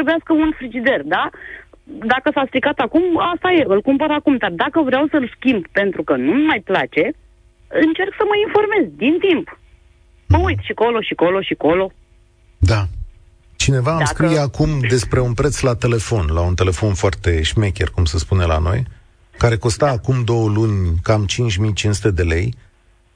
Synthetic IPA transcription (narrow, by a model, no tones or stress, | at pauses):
ɾebujaskəunfɾid͡ʒid̪e̞rd̪a | d̪akəsast̪ɾikat̪akumast̪aje̞ɨlkumpəɾakumd̪ard̪akəvɾeawsəlskʲimbpe̞nt̪ɾukənumajplat͡ʃe̞ | ɨnt͡ʃe̞rksəməinfo̞rme̞zʲd̪int̪imp | məujt̪ʃiko̞lo̞ʃiko̞lo̞ʃiko̞lo̞ | d̪a | t͡ʃine̞vaːmskɾijeakumd̪e̞spɾe̞unpɾe̞t̪slat̪e̞le̞fo̞nlaunt̪e̞le̞fo̞nfoart̪e̞ʃmekʲerkumsespune̞la̰no̞̰j | kaɾe̞ko̞st̪aːkumd̪o̞wəlunʲkamt͡ʃint͡ʃʲmijt͡ʃinsu̥t̪e̞d̪e̞le̞j